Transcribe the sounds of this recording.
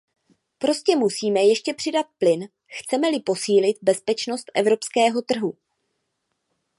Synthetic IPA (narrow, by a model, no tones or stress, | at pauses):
pɾo̞scɛmusiːmɛjɛʃcɛpr̥ɪdat̪̚plɪn | xt͡sɛmɛlɪpo̞siːlɪt̪̚bɛspɛt͡ʃno̞st̪ʔɛ̰vɾo̞pskɛːɦo̞t̪r̩ɦu